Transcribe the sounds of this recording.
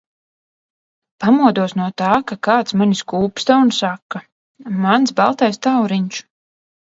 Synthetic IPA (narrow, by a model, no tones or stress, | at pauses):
pamuɔd̪uɔsnuɔt̪aːkakaːt̪smaniskuːpst̪aunsakːa | mansbalˠt̪ɛjst̪awɾiɲt͡ʃu̥